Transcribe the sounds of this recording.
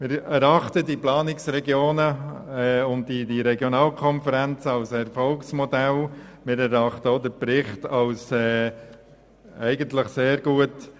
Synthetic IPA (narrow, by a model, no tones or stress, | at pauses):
mɪːɾɛɾɑχtədiplɑːnɪksɾɛɡjoːnəɛːʊnd̚didiɾɛɡjɔnɑːlkʰɔnfəɾænt͡səɑwsɛɾfɔlksmɔdælmɪːɾæɾɑχt̪əod̪əɾpɾɪχtɑwsɛː | ɛɪɡəntləχseːɾɡ̥uət